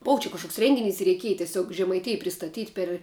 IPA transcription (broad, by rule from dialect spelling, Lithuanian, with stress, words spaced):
ˈboːʋɐ t͡ʃʲɛ kɐʃˈkoːks ˈrʲɛŋʲɡʲɪˌnʲɪs ɪ rʲɛɪˈkʲiɛj tʲɛˈsʲoːk ʒʲɛmɐɪˈtʲɪj pʲrʲɪstɐˈtʲiːtʲ pʲɛr